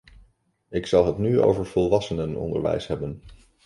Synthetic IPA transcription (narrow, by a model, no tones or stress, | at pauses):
ɪksɑlˠɦətnyo̰wvəɹvɔlˠʋɑsənənɔ̰ndə̰ɹʋɛ̰jsɦɛbən